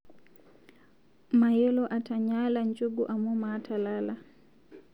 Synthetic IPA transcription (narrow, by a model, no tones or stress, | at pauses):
majɛlɔʔataɲaːland͡ʒuɡuʔamumaːtʰalala